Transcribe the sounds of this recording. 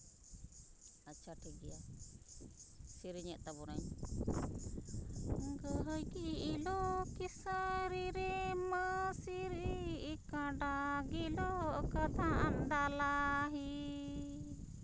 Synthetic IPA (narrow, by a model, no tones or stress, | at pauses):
at͡ʃʰaʈʰikɡɛja | siɾiɲɛʔ̚t̪abɔɾaɲ | ɡəɦəjkiːlɔkisəɾiɾɛmasiɾikãɖaɡilɔʔkəd̪ʱaʔand̪alaɦi